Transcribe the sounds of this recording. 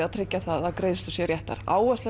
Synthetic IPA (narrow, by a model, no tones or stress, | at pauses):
aðt̪ʰɾɪcːaθaðaðkɾejðst̪ʏsjɛɾjɛht̪a̰ɾ̥a̰ːwvɛsɛ